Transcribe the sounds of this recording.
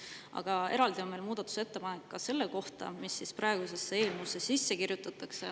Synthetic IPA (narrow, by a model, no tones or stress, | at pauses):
ʔɑ̰ɡ̥ɑe̞ɾɑld̪io̞nme̞lmuːd̪̥ɑt̪ːˑu̥se̞t̪ːe̞pɑnekːɑse̞lːe̞ko̞ht̪ɑ̰misːisprɑeɡ̥use̞sːeeːlmusːesisːe̞kirjut̪ːˑɑt̪ːˑɑkse̞